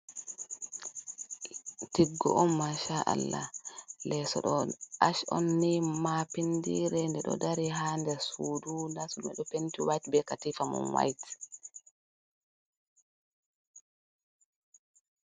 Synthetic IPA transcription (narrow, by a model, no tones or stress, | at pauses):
tiɡːɔʔɔmmaʃaʔa̰lːa̰lɛsɔ̰ɗɔʔaʃɔnːimapindiɾɛndɛɗɔ̰daɾiɦandɛsuːdunasɔɗumɛɗɔpentiwajtbɛkatifamɔ̰nwa̰jt